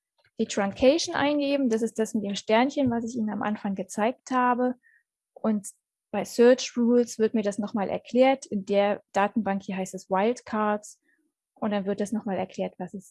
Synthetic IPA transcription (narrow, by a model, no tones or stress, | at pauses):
d̥iːtʁ̥aŋkʰɛɪʃn̩ʔa̰ɪnɡeːbm̩dasɪst̚d̥asmɪt̚d̥eːmʃtɛɐnçənvasɪçʔiːnənamʔa̰nfaŋɡət͡saɪk̚thaːbə | ʔʊnt | b̥aɪsœɐt͡ʃʁuːlsv̥ɪɐt̚miːɐdasnɔχmaːlʔɛ̰ɐkʰl̥eːɐtɪndeːɐd̥aːtn̩baŋkhiːɐɦaɪstɛswaɪltkʰaɐts | ʔʊntd̥anvɪɐt̚d̥asnɔχmaːlɛ̰ɐkʰl̥ɛːɐtv̥asɛs